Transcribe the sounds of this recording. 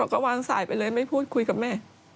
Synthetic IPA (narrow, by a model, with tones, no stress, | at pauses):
ɔ˧˩kɔː˥˩waː˧ŋsa̰ː˩˦jpa˧jlɤː˧jma˥˩jpʰuː˥˩t̪̚kʰu˧jka˨˩p̚mɛː˥˩